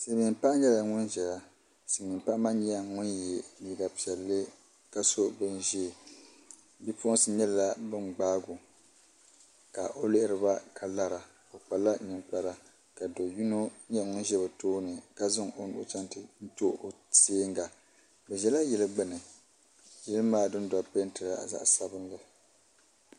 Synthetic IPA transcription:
si˨mi˨mpa˦ʔɲɛ˦la˨ŋʊ˦nʒɛ˨la˦ | sɨ˨mi˨mpa˦ʔma˦ɲɛ˦a˦ŋʊ˦njɛ˨ni˨ɡa˨pi˨ɛ˨lːɨ˦ | ka˦so˦bɨ˦nʒe˦˨ | bi˦pʊ˦ʔsɨ˦ɲɛ˦lla˦bɨ˦ŋ͡mɡ͡baː˦ɡʊ˨ | ka˨ʔo˦lɪ˦ʔɪ˦ɾɨ˨ba˦kʰa˨la˦ɾa˨ | kʊ˨k͡pa˨la˦ɲɨ˨ŋk͡pa˨ɾa˨ | ka˨do˨ju˦no˦ɲɛ˦˨ŋ˦ʒɛ˦bɨ˨toː˦nɨ˨ka˦zɨ˦ŋo˨nʊ̰˦ʔʊ̰˦t͡ʃa˦ntɨ˦n̩˦to˦ʔo˨seː˦ŋɡa˨ | bɛ˨ʒɛ˨˦la˦jɛ˨lɨ˦ɡ͡bɨ˦nɨ˨ | jɛ˦lɨ˦maː˦˨dɨ˦nda˨pe˦n˦tɨ˨ɾa˦a̰˨za̰˨ʔsa˦bɨ˦nlɨ˨

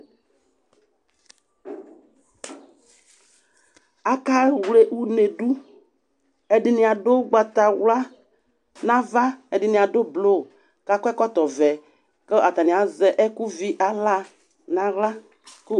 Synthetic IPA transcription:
a˨ka˦wu˨wle˦ʔwu˦ne˨ɖu˦ | e˨ɖɪ˨nĩ˨a˨ɖo˦ɡ͡ba˨t̪a˨wla˦ | nã˦va˦e˨ɖɪ˨nĩ˨a˨ɖo˦blo˦˨ | ka˦kɔ˦ɛ˦kɔ˦t̪ɔ˨vɛ˨ | kə˦ʔa˨t̪a˨nĩ˨a˨zɛ˨ʔɛ˦ku˦vi˦ʔa˨la˦ | nã˨ɣa˦ | ku˦

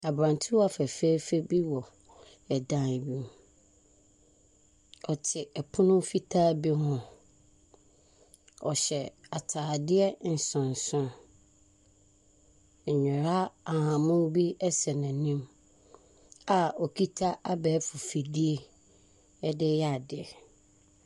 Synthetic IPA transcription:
a˨bɾã˨n˨tʰɪ˦wa˨fɛ˨fe˦fe˦bi˦wɔ˨ | ɛ˨dã˨n˨bĩ˦m | ɔ˨tʰɪ˨ɛ˨pʰʊ̃˦nʊ̃˦fi˦tʰaː˦bi˦hʊ̃˨ | ɔ˨ɕɛ˨a˨tʰaː˨dɪ˦ɛ˦n̩˨sʊ̃˨n̩˨sʊ̃˦ | ɲ̩˨ɲᶣɪ̃˨ɾa˦a˨hã˨mʊ̃˦m˦bi˦ɛ˦sɛ˨nã˨nĩ˦m | a˨ɔ˨kʰi˦tʰa˦ʔa˦bɛː˨˦fʊ˨fi˨di˦e˦ | ɛ˦dɪ˦ja˦˨dɪ˨ɛ˨

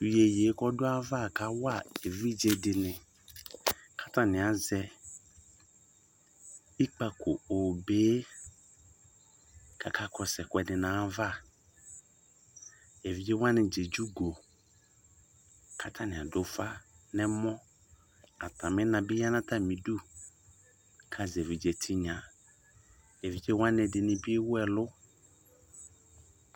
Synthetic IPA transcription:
u˨je˨je˨˦kɔ˦dʊ˦a˦va˦˨kʰa˨˦wa˦˨e˨vi˦d͡ʒe˨dɪ˨nɪ̃˨ | kʰa˦tʰa˨nɪ̃˨a˨zɛ˦ | i˦k͡pa˨kʰʊ˨o˨beː˦ | kʰa̰˨kʰa˦kʰɔ˨sɛ˨kʷɛ˨dɪ˨nãː˨˦va˦˨ | ɛ˨vi˦d͡ʒe˦wã˦nɪ˨d͡ʒe˨d͡ʒu˦ɡo˨ | kʰa˨tʰa˦nɪ̃˨a˨dʊ˦fa˦ | nɛ̃˦mɔ̃˦ | a˨t̪ʰã˨mɪ̃˦nã˨bɪ˦ja˦nã˦t̪a˦mĩ˨du˦ | kʰa˨zɛ˨vi˨d͡ʒɛ˨tʰi˦ɲã˨ | ɛ˨vi˦d͡ʒe˦wã˦nɪ̃˨dɪ˨nɪ̃˨bɪ˦wʊ˦ɛ˨lʊ˦

